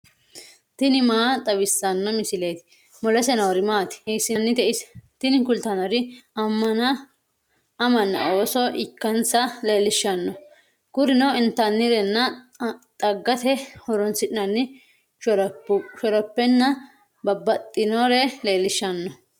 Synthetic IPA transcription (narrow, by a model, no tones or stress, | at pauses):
t̪ɪnɪmaːt̪ʼɐbɪsːɐnːɐmɪsɪlejt̪ɪ̥ | mɔlɛsɛnɐwɐɾɪmaːt̪ɪ̥ɛsɪnːɪt̪ɛʔɪst̪ɪnɪkʊlt̪ɐnɐɾɪɐmːɐnɐ | ɐmɐnːɐ̰o̞ːsɔʔɪkːɐnsɐle̞ːlːɪʃːɐnːɔ | kʊɾɪnɔɪnt̪ːɐnːɪɾɛnːɐ | t̪ʼɐɡːɐt̪ɛhɔɾɔnsɪᶑɪnɐnːɪ | ʃɔɾɔpːɛnːɐ | bɐbːɐt̪ʼːɪnoɾɛle̞ːlːɪʃːɐnːɔ